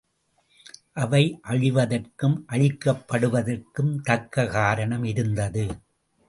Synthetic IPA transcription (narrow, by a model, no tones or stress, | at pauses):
ʔɐʋɐɪʔɐɻɪʋɐðɐrkɯmʔɐɻɪkːɐpːɐɽɯʋɐðɐrkɯmt̪ɐkːɐɣaːɾɐɳɐmɪɾɯnd̪ɐðɯ